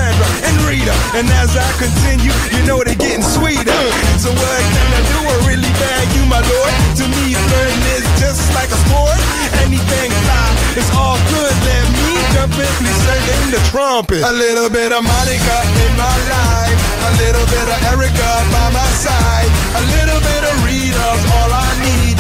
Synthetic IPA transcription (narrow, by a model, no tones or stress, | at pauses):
æ̃ndə | ɨ̃nɹiɾəɨ̃nɨzaɪkɨ̃ntʰɪ̃njʉ | jɨnoʊwʌɾɨɡɛɾɪ̃ŋswiɾ | tsoʊwʌɾaɪkʰɨ̃nɨduəɹɪlˠibædjɨmaɪlɔɹd̚tɨmi | lɜ̃˞ɪ̃ŋɪsd͡ʒ̥ʌstlaɪkəfɔɹt | ɛniθɪ̃ŋkʰl̥ãɪ̃m | ɨzɔlˠɡʊdˡlɛt̚mi | d͡ʒʌ̃fɨtˡlisɛ̃ɾɪ̃nðɨtʰɹ̥ɑ̃mpɨtəlɪɾl̩ˠbɪɾʌvmʌɾiɡʌpɪ̃nmaɪlaɪ | əlɪɾl̩ˠbɪɾʌvɛɹɨɡʌ | baɪmaɪsaɪd | əlɪɾl̩ˠbɪɾʌvɹiɾʌvɔlˠaɪnid̥̚